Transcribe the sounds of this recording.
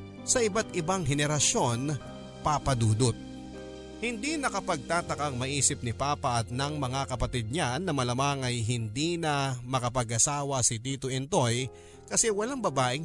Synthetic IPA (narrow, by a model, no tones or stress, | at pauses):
sɐʔɪbat̪ʔɪbaŋɦɛnɛɾɐʃo̞n | paːpɐd̪uːd̪ot̪̚ | hɪnd̪inɐkɐpɐɡ̚t̪aːt̪ɐkɐŋmɐʔiːsɪp̚nɪpaːpɐʔɐt̪nɐŋmɐŋakɐpɐt̪id̪̚ɲanːɐmɐlɐmaŋɐjɦɪnd̪inɐmɐkɐpɐɡʔɐsaːwɐsɪt̪iːt̪oʔɛnt̪o̞j | kɐsɛwɐlaŋbɐbaːʔɪŋ